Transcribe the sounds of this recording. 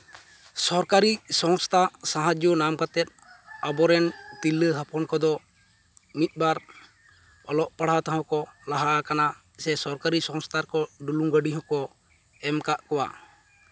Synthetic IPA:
sɔɾkaɾisɔŋst̪ʰasaɦad͡ʒunamkat̪ɛt̪̚abɔɾɛnt̪ilːəɦapɔnkɔd̪ɔ | mit̪̚ˀbaɾ | ɔlɔʔpaɽ̤at̪aɦãkɔlaɦaʔakana | sɛsɔɾkaɾisɔŋst̪ʰaɾkɔɖuluŋɡəɖiɦɔ̃kɔ | ɛmkaʔkɔwa̰

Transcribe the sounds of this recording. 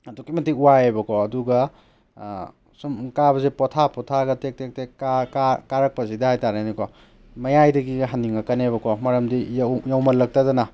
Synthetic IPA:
ɐdukimɐtiuwajebɐkʰɔɐduɡɐ | sumkabɐzepɔtʰapʰɔtʰaɡɐtek̚tek̚tekakakaɾɐk̚pɐsidɐhajtaɾajnikɔ | mɐjajdɐɡiɡɦaniŋɐkɐnebɐkʰɔmɐɾɐmdijjawmɐlːɐk̚tazɐna

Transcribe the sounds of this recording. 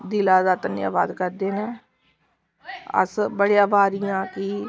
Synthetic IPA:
d̪iːlaːd̪aːt̪ənːḭa̰ːʋa̰ːd̪kəɾd̪eːna | ə̰sbəɽejãːbaːɾɪjãːkɪ

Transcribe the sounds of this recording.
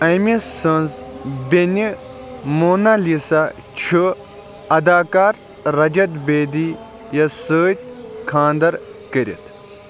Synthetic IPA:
ɐmisɐnzbʲenʲimoːnalisa | t͡ʃʰu | ɐd̪aːkaːɾː | ɐd͡ʒɐt̪beːd̪i | jɐsəːt̪̚ʲkʰãːnd̪ɐɾkəɾḭt̪ʰ

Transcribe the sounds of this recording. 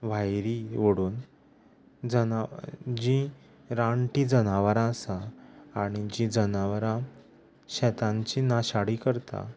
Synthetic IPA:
ʋajɾiʋəɽuːn | d͡zənad͡ʑĩ | ɾaɳʈiːd͡zənaʋaɾãəsaːɽ̃id͡ʑid͡zənaʋɾã | ɕɛt̪ãɲt͡ɕinaɕaɽiːkəɾt̪a̰

